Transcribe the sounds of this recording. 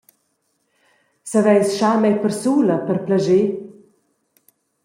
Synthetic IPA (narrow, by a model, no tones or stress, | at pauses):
savɛjsʃamɛjpərsuləpəɾplaʒe